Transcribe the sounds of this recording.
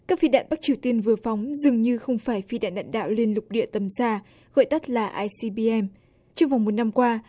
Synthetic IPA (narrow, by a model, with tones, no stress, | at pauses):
kaː˦˥k̚fi˧ɗa̰ː˧˨nɓa˦˥k̚t͡ɕi˨˩əwt̪i˧ənvɨ˨˩əfa˨˦wŋ͡mzɨ˨˩əŋɲɨ˧xə˧wŋ͡mfaː˧˩jfi˧ɗa̰ː˧˨nɗaː˧˨nɗa̰ː˧˨wli˧ənlʊ˨˩k͡p̚ɗḭ˧˨ət̪ə˨˦msaː˧ | ɣɔ̰˧˨jt̪ə˦˥t̚laː˨˩ʔaː˧jsi˧ɓi˧ʔɛ˧m | t͡ɕɔ˧ŋ͡mva˨˩wmo˨˩t̚na˧mkwaː˧